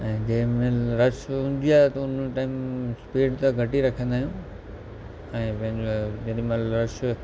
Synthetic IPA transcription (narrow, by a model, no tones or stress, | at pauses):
ɛ̃ːd͡ʑɐɦɪ̃mẽɾɐʃʊ̃n̆d̪ijaːt̪ɐʊnʈaːɪmspeːɖt̪ɐɡʱɐʈiɾɐkʰə̃nd̪aːɦijũ | ɛ̃ːpɐ̃ɦɪ̃ɲd͡ʑod͡ʑɐɗmẽlɾɐʃ